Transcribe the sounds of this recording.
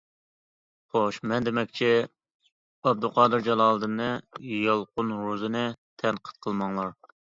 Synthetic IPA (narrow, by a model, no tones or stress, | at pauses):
χoʃmɛnd̪ɪmɛkʲt͡ʃʰi | ɑb̚d̪ulˠqʰɑːd̪ɨɾd͡ʒɑlˠɑːlˠɨd̪ɨnɨjɑlˠqʊnɾuzɨnɨt̪ʰɛnqʰə̥t̪̚qʰəlˠmɑŋlˠɑɾ